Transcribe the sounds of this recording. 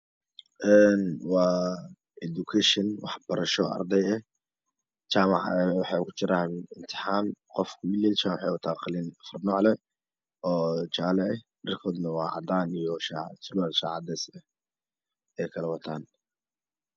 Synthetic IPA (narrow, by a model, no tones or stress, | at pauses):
ʔɛːnwɑː | ʔɛd̪ukʰɛʃɛnwɑ̰ħb̥ɐɾɐʃɔʔɐ̰rd̪ɛjɛh | t͡ʃaːmɑ̰ʕɛwɑħɑkʰʊt͡ʃɪɾaːnɪnt̪ʰɪ̥ħaːmqɔfkʰʊwɪlɛːlt͡ʃaːʕwħɑjwʊt̪ʰaːqɪlɪnɐfɐrnɔːʕlɛ | ɔːt͡ʃaːlɛʔɛdɐrkʰɔːd̪nɐwɑːʕɑ̰d̪aːnijɔʃaʕsʊlalʃa̰ːʕɑd̪ɛsɛ | ɛjkʰɐlɛwɐt̪ʰaːn